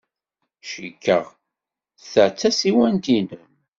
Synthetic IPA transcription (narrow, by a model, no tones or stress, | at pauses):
ʃikːə̰ʁ | θəʕt͡sːæsiwænt̪inəm